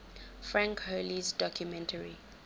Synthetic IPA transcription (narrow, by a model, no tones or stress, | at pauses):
fɹãŋkholizdɔkʰjumɛ̃ntʰəɹḭ